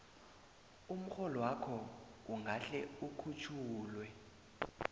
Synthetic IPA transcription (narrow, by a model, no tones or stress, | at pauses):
um̩xɔlɔwakʰɔuŋɡʱaɬɛukʰut͡ʃʰuːlwɛ